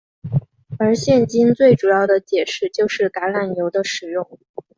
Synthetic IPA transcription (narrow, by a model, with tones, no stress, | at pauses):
ə˞˧˥ɕjɛ˥˩nt͡ɕi˥nt͡swe˥˩ɪʈ͡ʂu˨˩jɑ˥˩ʊd̪ə˩t͡ɕjɛ˨˩ʂɻ̩˥˧t͡ɕjo˥˧ʊʂɻ̩˥˩ka˧˥ɪla˨˩njo˧˥ʊd̪ə˧ʂɻ̩˨˩jʊ˥˩ŋ